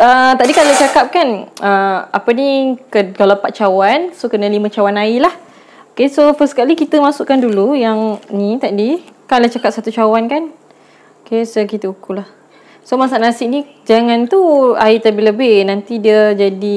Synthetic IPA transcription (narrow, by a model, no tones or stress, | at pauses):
ət̪aʔdikalat͡ʃakap̚kanəapənikəkalawpat̪̚t͡ʃawansokənãlimə̃t͡ʃawanailah | okesofəskalikit̪əmasuʔkandulujaŋnit̪aʔdikalat͡ʃakap̚sat̪ut͡ʃawankan | okesokit̪əukulah | somasaʔnasɪʔ̚nĩ | d͡ʒaŋãnt̪uait̪abɪləbɪhnant̪idiəd͡ʒadi